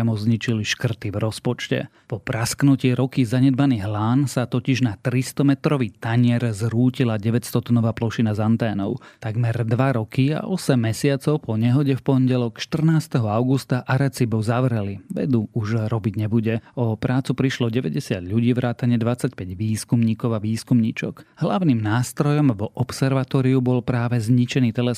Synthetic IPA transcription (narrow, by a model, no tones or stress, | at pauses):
amɔd͡zɲit͡ʃiliʃkr̩t̪iʋɾɔspɔt͡ʃcɛ̰ | pɔpɾasknuciːɾɔkizaɲɛd̪̚maniːɦlaːnsat̪ɔciʒnat̪ɾist̪ɔmɛt̪ɾɔʋiːt̪aɲɪɛɾzɾuːcilaɟɛʋɛcst̪ɔt̪nɔʋaːplɔʃinazant̪ɛːnɔʊt̪aɡmɛɾd̪ʋaɾɔkia̰ʔɔsɛmːɛsɪat͡sɔʊpɔɲɛɦɔɟɛfpɔnɟɛlɔkʃt̪r̩naːst̪ɛɦɔaʊɡust̪aʔaɾɛt͡sibɔʊzaʋɾɛliʋɛ̰d̪uuʒɾɔbiɟɲɛbuɟɛɔpɾaːt͡supɾiʃlɔɟɛʋɛɟɛsɪad̪ʎuɟiːʋɾʔaːt̪aɲɪɛd̪ʋat͡sːacpɛɟʋiːskumɲiːkɔʊaʋiːskumɲit͡ʃɔ̰ɡ̥ɦlaʊniːmnaːst̪ɾɔjɔmʋɔʔɔpsɛɾʋat̪ɔːɾiubɔlpɾaːʋɛzɲit͡ʃɛniːt̪ɛlɛ